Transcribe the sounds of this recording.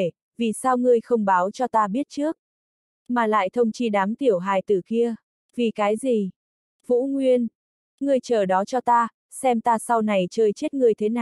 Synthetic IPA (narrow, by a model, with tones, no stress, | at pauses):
e˧˩ | vi˨˩saː˧wŋɨ˧əjxə˧wŋ͡mɓaː˨˦wt͡ɕɔ˧t̪aː˧ɓi˦˥ət̚t͡ɕɨ˦˥ək̚ | maː˨˩la̰ː˧˨jt̪ʰə˧wŋ͡mt͡ɕi˧ɗaː˨˦mt̪i˧˩əwɦaː˨˩jt̪ɨ˨˩ki˧ə | vi˨˩kaː˨˦jzi˨˩ | vṵ˧˥ŋwi˧ən | ŋɨ˧˩əjt͡ɕəː˨˩ɗɔ˨˦t͡ɕɔ˧t̪aː˧ | sɛ˧mt̪aː˧sa˧wna˨˩jt͡ɕəː˧jt͡ɕe˦˥t̚ŋɨ˧˩əjt̪ʰe˨˦na˨˩